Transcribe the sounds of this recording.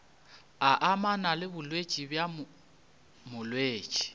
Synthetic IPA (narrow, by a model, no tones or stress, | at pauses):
aʔamanalɪbʊlwe̥t͡ʃʼibjam | mʊlwe̥ːt͡ʃʼi̥